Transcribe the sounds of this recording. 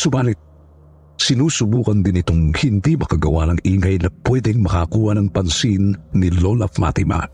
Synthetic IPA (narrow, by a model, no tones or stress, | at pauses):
sʊbaːnɪt̪̚ | sɪnuːsʊbuːkɐnd̪ɪnɪt̪oŋhɪnd̪imɐkɐɡɐwanɐŋʔiːŋɐjnɐpwɛd̪ɛŋmɐkakuːhɐnɐŋpɐnsinːilolɐfma̰t̪ɪma̰